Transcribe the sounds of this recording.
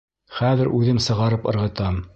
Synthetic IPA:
χæðɘɾʔʉðɘmsɤ̆ʁɑɾɤpɤ̆ɾʁɤ̆t̪ɑm

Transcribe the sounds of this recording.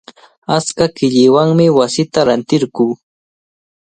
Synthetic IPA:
at͡skakɪʎɪwaŋmɪwasɪt̪aɾant̪ɪɾɢuː

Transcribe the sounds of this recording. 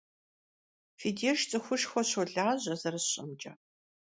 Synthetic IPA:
fideːʃt͡sʼɨxʷʊʃxʷɔɕɔɮaːʑɐzɐrɨsɕʼɐmd͡ʒʼɐ

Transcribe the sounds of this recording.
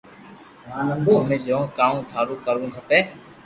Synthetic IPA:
ʋaːnənb̪oːɦmẽːd͡ʒõːkaːũːt̪ʰaːɾuːkəɾũːɦəpeː

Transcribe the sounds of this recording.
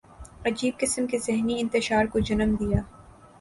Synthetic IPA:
ɐd͡ʒiːb̚kɪsəmkezɪɦniɪ̃nt̪ɪʃaːɾkod͡ʒɐnəmd̪ijaː

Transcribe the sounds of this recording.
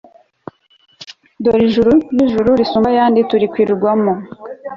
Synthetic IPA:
doɾiʒuɾuniʒuɾuɾisuːmbajaːndituɾikwiːɾuɾɡwamo

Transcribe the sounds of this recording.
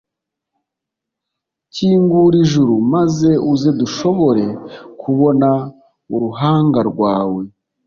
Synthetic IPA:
ciːŋɡuɾiʒuɾumaze̞ʔuzeduʃo̞βo̞ɾe̞kʰuβo̞na | uɾuɦaːŋɡaɾɡwaːwe̞

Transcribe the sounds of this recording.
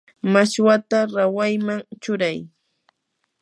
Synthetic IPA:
maʃwat̪aɾawajmaŋt͡ʃʊɾaj

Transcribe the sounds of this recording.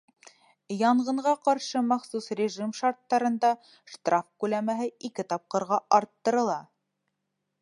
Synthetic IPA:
jɑɴʁɤ̆ɴʁɑqɑɾʃɤmɑχsusrʲɪʒimʃɑɾt̪ːɑɾɤ̆nd̪ɑ | ʃt̪rafkʉlæmæɦɘikɘt̪ɑp̚qɤ̆ɾʁɑʔɑɾt̪ːɤ̆ɾɤ̆lˠɑ

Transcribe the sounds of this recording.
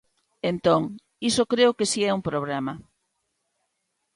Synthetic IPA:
ent̪oŋ | isokɾeʊkesiɛumpɾoβ̞lɛma

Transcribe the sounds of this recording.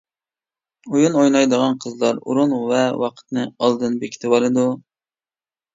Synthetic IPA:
ujunojnɑjd̪əʁɑnqʰəzlˠɑɾṵɾunvɛwɑqʰə̥t̪nɨɑlˠd̪ɨnbekʲi̥t̪ʰɪbɑlˠɨd̪u

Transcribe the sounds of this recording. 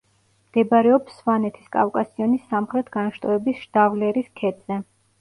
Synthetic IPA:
md̪̥ɛbɾɛɔpsːvanɛt̪ʰi̥skʼa̰fkʼasiɔnisːamχɾɛt̪ʰɡ̥anʃt̪ʼɔɛbisʃd̪̥avlɛɾiskʰɛd̪ʼz̥ɛ

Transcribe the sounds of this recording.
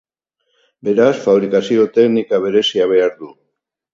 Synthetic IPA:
be̞ɾasfaβ̞ɾikasio̞t̪e̞knikaβ̞e̞ɾe̞siaβ̞e̞aɾðu

